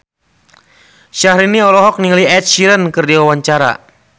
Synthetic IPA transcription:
ʃahɾiniɔlɔɦɔk̚niŋliɛt̪̚ʃiɾənkɨrdiwawaɲt͡ʃaɾa̰

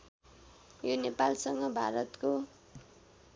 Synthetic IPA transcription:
jonepalsʌŋɡʌbʱa̰ɾʌt̪ko

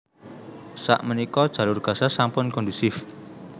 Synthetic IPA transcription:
sa̰ʔmənikɔd̥ʒ̥ä̤lʊrɡ̥ä̤sasampʊnkɔnd̪usɪf

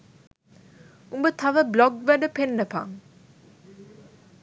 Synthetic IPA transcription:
umbət̪ʰɐʋəblɔɡʋæɖəpenːəpa̰ŋ

